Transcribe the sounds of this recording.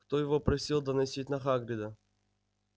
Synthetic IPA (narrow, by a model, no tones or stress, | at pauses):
kt̪ojɪvopɾɐsʲilˠd̪ɐnɐsʲit̚ʲnɐxaɡɾʲɪd̪ə